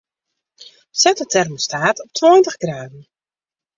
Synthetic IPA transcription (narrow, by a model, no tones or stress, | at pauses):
sɛtətʰɛrməstaːtɔp̚tʰwɔːjntəχɡraːdn̩